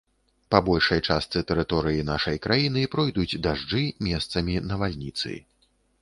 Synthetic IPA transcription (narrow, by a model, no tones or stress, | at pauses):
pabɔlʲʂɐjt͡ʂast̪sɨt̪ɛɾɨt̪ɔɾɨjinaʂɐjkɾajinɨpɾɔjd̪ud͡zʲd̪aʐd͡ʐɨmʲɛst̪sɐmʲinɐvalʲnʲit̪sɨ̰